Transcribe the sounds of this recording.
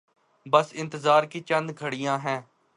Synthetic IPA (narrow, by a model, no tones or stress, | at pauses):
bəsɪ̃nt̪əzaːɾkiːt͡ʃə̃nd̪ɡʱəɽɪjãːɦɛ̃ː